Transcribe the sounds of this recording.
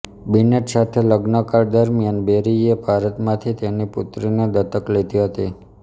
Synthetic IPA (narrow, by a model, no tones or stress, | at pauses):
bineʈsat̪ʰeləɡnəkaɾd̪əɾmjanbeɾiebʱaɾət̪mãt̪ʰit̪eniput̪ɾined̪ət̪əklet̪iɦət̪i